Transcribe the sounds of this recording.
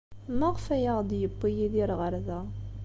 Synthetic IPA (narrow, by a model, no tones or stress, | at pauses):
məʁfæjaʁd̪jəpːijiðiɾʁəɾðæ